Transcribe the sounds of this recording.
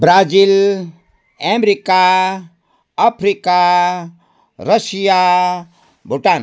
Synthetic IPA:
bɾaːd͡ʒil | emɾika | apʰɾika | ɾəsija | bʱuʈaːn

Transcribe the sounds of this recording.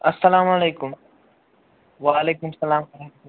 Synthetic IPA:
ɐsːɐlaːmɐleːkʊm | ʋaːleːkʊmsɐlaːmfɐɾakat̪

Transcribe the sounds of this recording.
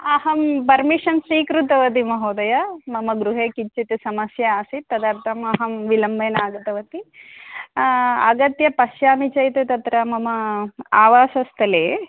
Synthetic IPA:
ɐɦɐmpɐɾmiʂɐnsiːkɾut̪ɐʋɐt̪̬imɐɦoːd̪ɐjɐmɐmɐɡɾuɦeːkit͡ʃːt͡ʃit̪isɐmɐsjɐaːsit̪ːɐd̪aːɾt̪ʰɐmɐɦɐmʋilɐmbɐːnaːɡɐt̪ɐʋɐt̪i | ɐ̰ɡɐt̪jɐpɐʃjaːmit͡ʃɐjt̪et̪ɐt̪ɾɐmɐmɐaːʋaːʃɐst̪ʰɐleː

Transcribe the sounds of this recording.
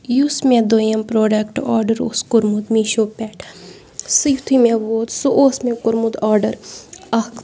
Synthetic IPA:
jusmẽd̪ojɐmpɾoːɖɐkʈaːɾɖəɾo̰skʊɾmud̪miʃopɛːʈʰ | sɨjt̪ʰimẽʋoːd̪suʔoːsmẽkʊɾmud̪aːɾɖəɾɐ

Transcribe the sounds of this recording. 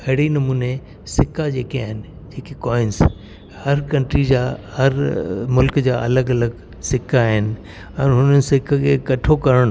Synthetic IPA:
ɐɽinɐmuːne | sɪkʰad͡ʑeːkiaːɦɪnɪ̆ | d͡ʑeːkikɔːɪns | hɐɾkɐ̃ɳʈɾid͡ʑaːhɐɾmʊlkd͡ʑaːʔɐ̰ləɡɐləɡ | sɪkʰaːɦɪnɪ̆ | ɛ̃ːɦʊnənɪ̆sɪkʰkʰeːkɐʈʰokɐɾəɽ̃

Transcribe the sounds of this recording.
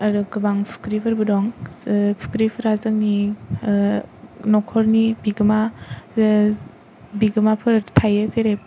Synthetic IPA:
aɾuɡɯbaŋpʰu̥kɾipʰɯɾbɯdɔŋpʰu̥kɾipʰɯɾazɯk̚ni | nɔkʰɔɾnibiɡɯma | biɡɯmapʰɯɾtʰajəseɾep̚

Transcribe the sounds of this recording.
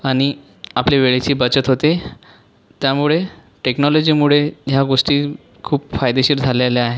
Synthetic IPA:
aɽ̃i | apleʋeɭet͡ɕiːbət͡ɕət̪ɦot̪e | t̪jamuɭe | ʈeknɔlod͡ʑiːmuɭeɦjaɡoʂʈiː | kʰuːpfajd̪eɕiːɾd͡zʱaleleaɦe

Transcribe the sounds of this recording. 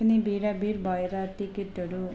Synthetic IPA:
nibiːɽabiɾbɐjɾat̪ːikit̪ːɐɽu

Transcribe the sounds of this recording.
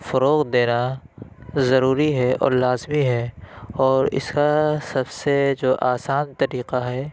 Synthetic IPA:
fɐɾoːqd̪eːna | zɐɾuːɾiɦɛʔɔ̰ːɾlaːzmiɦɛːɔːɾɪ̰skasɐbsed͡ʒoːʔaːsaːnt̪ɐɾiːqaɦɛː

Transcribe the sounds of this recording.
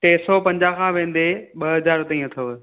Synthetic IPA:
ʈeːsɔpɐ̃ɲd͡ʑakʰãːʋẽːn̆d̪eɓɐɦɐzaːɾt̪ɐĩɐt̪ʰɐʋ

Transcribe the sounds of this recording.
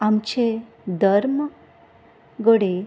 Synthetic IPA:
amt͡ɕe | d̪ʱəɾmə | ɡəɽe

